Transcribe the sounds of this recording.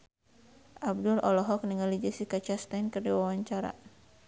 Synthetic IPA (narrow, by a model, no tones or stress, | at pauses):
ʔab̚dʊlʔɔlɔɦɔk̚niŋalid͡ʒisikat͡ʃast̪ajnkərdiwawaɲt͡ʃaɾa̰